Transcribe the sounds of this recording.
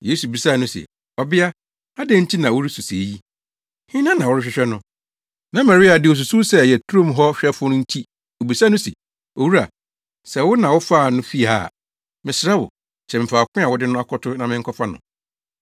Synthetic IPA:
jeː˦su˨bi˨sa˦˨nʊ̃˦sɛ̰˨ | ɔ˨bɪ˦a˦ | a˦dɛ̃˦n̩˦tʰi˦nã˨wʊ˦ɾi˦su˨se˨ji˦ | hɪ̃˦nã˦nã˨wʊ˦ɾɪ˦ɕᶣɪ˦ɕᶣɛ˦nʊ̃˦ | nã˨ma˨ɾɪ˦a˨dɪ˦ɔ˨s̬u˨su˦sɛ˦˨jɛ˨tʰu˦ɾõ˦mɦɔ˦ɕᶣɛ˦fʊ˦nʊ̃˦n̩˦tʰi˦ | o˨bi˨sa˦nʊ̃˦sɛ̰˨ | o˨wu˦ɾa̰˨ | sɛ˨wʊ˦nã˨wʊ˦fa˦˨nʊ̃˦fi˦a̰˨ | mɪ̃˨sɾa˦wʊ̰˨ | t͡ɕʰɛ˨mɪ̃˨fa˨kʷɪ̃˦a˨wʊ˦dɪ˦nʊ̃˦a˦kʰɔ˦tʰʊ˦nã˨mɪ̃˦ŋ̩˦kʰɔ˦fa˦nʊ̰̃˨

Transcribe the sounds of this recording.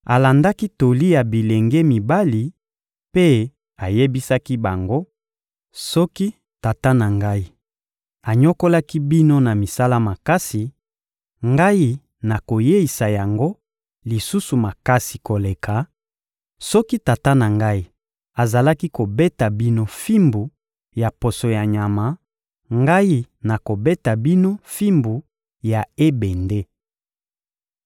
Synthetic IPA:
a˨la˨nda˦ki˦to˨li˦ja˨bi˨le˨ŋɡe˦mi˨ba˦li˨ | pe˦ | a˨je˦bi˦sa˦ki˦ba˨ŋɡo˦ | sɔ˦ki˦ | ta˨ta˦na˨ŋɡa˦i˦ | a˨ɲo˦ko˦la˦ki˦bi˦no˦na˨mi˨sa˦la˦ma˨ka˦si˨ | ŋɡa˦ji˦ | na˨ko˨je˦i˨sa˨ja˨ŋɡo˦ | li˨su˦su˨ma˨ka˦si̥˨ko˨le˨kʰa˨ | sɔ˦ki˦ta˨ta˦na˨ŋɡa˦i˦ | a˨za˨la˦ki˦ko˨be˦ta˨bi˦no˦fi˦mbu˨ | ja˨po˨so˨ja˨ɲa˨ma˨ | ŋɡa˦ji˦ | na˨ko˨be˦ta˨bi˦no˦fi˦mbu˨ | ja˨e˦be˨nde˦

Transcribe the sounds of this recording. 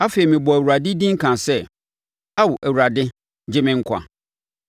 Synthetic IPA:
a˦fe˨i˨mɪ̃˨bɔ˨æ˨wu˨ɾa˨dɪ˦dĩ˦ŋ̩˦kʰã˨sɛ˦ | a˦wʊ˨ʔæ˨wu˨ɾa˨dɪ˦ | d͡ʑɪ˦mɪ̃˦˨ŋ̩˦kʷʰa̰˨

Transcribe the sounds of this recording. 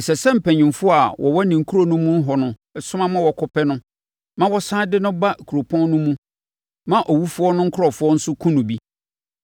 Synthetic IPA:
sɛ˨sɛ˦m̩˨pʰæ̃˨ɲɪ̃˨mfʊ˦a˨wʔɔ̰˨wɔ˦nĩ˨ŋ̩˨kʰu˦ɾo˨nʊ̃˦mũ˦n̩˦ɦɔ˨nʊ̃˦ | ɛ˨sʊ˦mã˦mã˦wɔ˨kʰɔ˦pʰɛ˦nʊ̃˦ | mã˦wɔ˦sãː˦dɪ˦nʊ̃˦ba˦˨kʰu˨ɾo˨pʰɔ̃˦n˦nʊ̃˦mũ˦ | mã˦ʔɔ˨wu˦fʊ˦ɔ˦nʊ̃˦ŋ̩˦kʰʊ˦ɾɔ˨fʊ˦ɔ˦n̩˦sʊ˦kʰũ˦nʊ̃˨bi˦

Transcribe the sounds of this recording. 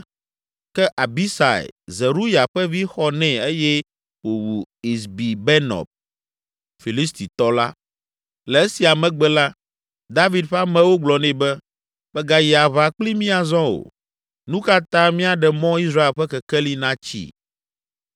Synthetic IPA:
kɛ˦ʔa˨bi˦sa̰˨ḛ˨ze˨ɾu˦ja˨ɸɛ˦vi˦xɔ˦nɛ̃˨e˦jɛ˦ | wo˨wu˨i˨sbi˨bɛ˦nɔ̰˨b̚ | fi˨li˦st̪i˨t̪ɔ˦la˦ | lɛ˨e˦si˨a˨mɛ̃˨ɡ͡bɛ˦la˦ | d̪a˦vi˨d̪ɸa˦mɛ̃˨wo˦ɡ͡blɔ˨nɛ̃˨bɛ˦ | b̥ɛ˦ɡa˨ji˨a˨βa˨k͡pli˦mĩ˦a˨zɔ̃˦o̰˨ | nũ˦ka˦t̪ã˦mĩ˦a˨ɖɛ˨mɔ̃˦i˦sɾa˦e˨lɸɛ˦kɛ˨kɛ˦li˦nã˦t͡ɕḭ˦

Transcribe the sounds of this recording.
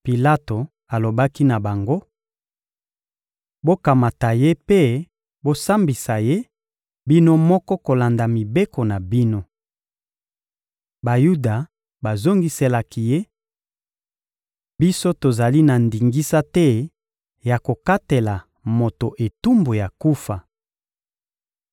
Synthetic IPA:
pi˨la˦to˨ | a˨lo˨ba˦ki˦na˨ba˨ŋɡo˦ | bo˦ka˨ma˨ta˨je˦pe˦ | bo˦sa˦mbi˨sa˨je˦ | bi˦no˦mɔ˦kɔ˦ko˨la˨nda˨mi˨be˦ko˨na˨bi˦no˦ | ba˨ju˦da˨ | ba˨zo˦ŋɡi˨se˨la˨ki˨je˦ | bi˦so˦to˨za˨li˦na˨ndi˨ŋɡi˦sa˦tɛ˦ | ja˨ko˨ka˦te˨la˨ | mo˨to˨ʔe˨tu˦mbo˨ja˨ku˦fa˨

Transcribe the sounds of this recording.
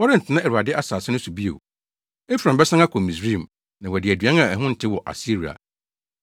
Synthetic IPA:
wɔ˦ɾɪ̃˦n̩˨tʰɪ˨nã˦ɛ˨ɾu˨a˨dɪ˦ʔa˦saː˨sɪ˦nʊ̃˦su˨bi˦o̰˨ | e˦fɾã˨bɛ˦sã˦ŋa˦kʰɔ˨mĩ˨sɾĩ˦˨m | nã˨wɛ˨dɪ˨æ˨dɥã˦ŋ˦ã˨ɛ˨ɦʊ̃˦n̩˨tʰɪ˦wɔ˨ʔa̰˨si˦ɾi˨a̰˨

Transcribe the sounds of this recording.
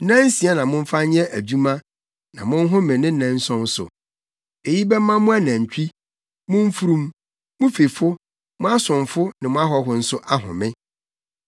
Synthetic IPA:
nã˦n˦si˨˦a˦nã˨mʊ̃˦ɱ̩˦fa˦ɲ˦ɛ˦ʔæ˨d͡ʑu˦mã˦ | nã̰˨mʊ̃˦n˦ɦʊ̃˦mɪ̃˨nɪ̃˦nã˦n̩˦sɔ̃˦n˦sʊ̰˨ | e˨ji˦bɛ˦mã˦mʊ̃˦a˦nã˨ɲ˨t͡ɕᶣi˦ | mʊ̃˦m˦fu˦ɾũ˦m | mʊ̃˦fe˨fʊ˦ | mʊ̃˦a˦sʊ̃˨ɱfʊ˦nɪ̃˨mʊ̃˦a˦ɦɔ˦ɦʊ˨n̩˨sʊ˦ʔa˦ɦʊ̰̃˨mɪ̃˦

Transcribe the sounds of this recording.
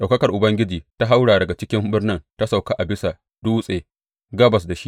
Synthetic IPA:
ɗa˨wkɐ˦kɐ˨rʔʊ˨bɐ˦ŋɡʲɪ˦d͡ʒiː˨ta˦ɦa˦wɽaː˨dɐ˨ɡa˨t͡ʃɪ˦kʲɪ˦mbɪ˦rnɪ˦nta˦sa˨wka˦ʔa˨bɪ˦sa˨ | d̥uː˦sʼeː˨ | ɡɐ˦bɐ˨s̬da˨ʃi˦

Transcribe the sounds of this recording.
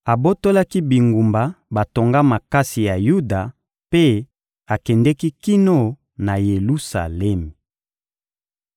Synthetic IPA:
a˨bo˦to˦la˦ki˦bi˨ŋɡu˨mba˨ba˨to˨ŋɡa˦ma˨ka˦si˨ja˨ju˦da˨ | pe˦ | a˨kɛ˨ndɛ˦ki˦ki˦no˦ | na˨je˨lu˦sa̰˨lɛ˦me˨

